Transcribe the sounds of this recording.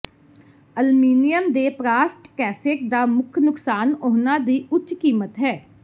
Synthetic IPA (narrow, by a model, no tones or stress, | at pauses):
əlmiːnɪjəmd̪eːpɾaːsʈkɛːsɪk̚d̪aːmʊkʰnʊksaːnoːnãːd̪iːʔʊt͡ʃkiːmət̪ɦɛː